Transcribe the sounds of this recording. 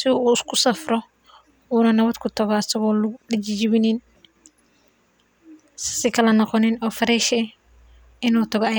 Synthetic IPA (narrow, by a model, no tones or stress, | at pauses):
sɪuːɪskʰʊsɐfrɔ | uːnɐnɐβɐd̪kʰʊt̪ʰɐɣɔɐsɐɣɔːlʊɗɪt͡ʃɪd͡ʒɪβɪnɪn | ssɪkʰɐlɐnɐqɔnɪnɔːfɐɾɛːʃɛ | ɪnuːt̪ʰɐɣɔɐj